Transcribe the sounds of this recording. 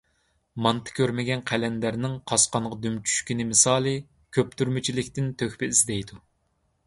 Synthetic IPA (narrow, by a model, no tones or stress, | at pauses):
mɑnt̪ʰɨ̥kʲʰøɾmɪɡʲɛnqʰælɛnd̪æɾnɪŋqʰɑsqɑɴʁɑd̪ymt͡ʃʰy̥ʃkʲinɪmɨsɑːlˠɨ | kʲʰøpt̪ʰyɾmɪt͡ʃʰilɪkʲt̪ɪnt̪ʰøxʲpɪizd̪ɛjd̪u